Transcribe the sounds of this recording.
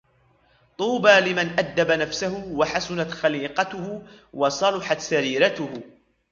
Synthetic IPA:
t̪ˤuːbaːlɪmanʔad̪ːabanafsahʊwaħasʊnat̪xaliːqɑt̪ʊhʊ | wɑsˤɑlʊħɑt̪saɾiːɾat̪ʊhʊ

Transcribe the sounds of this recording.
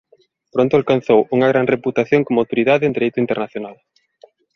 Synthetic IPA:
pɾõnt̪ʊalkanθowuŋɐɣ̞ɾanreput̪aθjoŋkomawt̪oɾiðaðɪend̪eɾejt̪ʊint̪enaθjonal

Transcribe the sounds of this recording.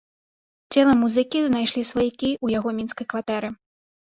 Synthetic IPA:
t͡sʲɛlˠɐmuzɨkʲiznajʂlʲisvajikʲiujaɣɔmʲinskɐjkvat̪ɛɾɨ

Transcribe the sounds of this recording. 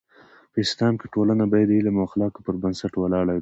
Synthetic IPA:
pəɪslɑmkeʈolanabɑjad̪ilamoxlɑkopəɾbənsaʈwalɑɽaw

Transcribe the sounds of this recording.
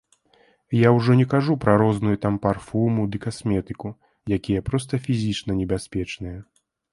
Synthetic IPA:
jawʐɔnʲɛkaʐupɾɐɾɔznujut̪amparfumud̪ɨkasʲmʲɛt̪ɨku | jakʲijɛpɾɔst̪ɐfʲizʲit͡ʂnɐnʲɛbʲasʲpʲɛt͡ʂnɨjɛ

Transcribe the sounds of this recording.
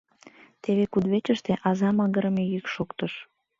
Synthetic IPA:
t̪eβekud̪βet͡ɕəʃt̪eʔɑzɑməɣəɾəmejykʃokt̪əʃ

